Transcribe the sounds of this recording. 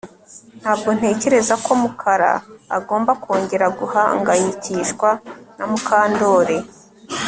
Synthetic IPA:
n̥haːb̚ɡo̞n̥e̞ːce̞ɾe̞zako̞mukʰaɾa̰ːɡo̞ːmbakʰoːɲɟe̞ɾaɡuhaŋɡajiciːʃkwanamukʰaːndo̞ːɾe̞

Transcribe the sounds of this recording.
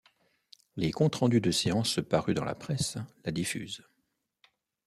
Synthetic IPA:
lekɔ̃t̪χɑ̃d̪yd̪əseɑ̃spaʁyd̪ɑ̰̃la̰pχɛslad̪ify̰ːz

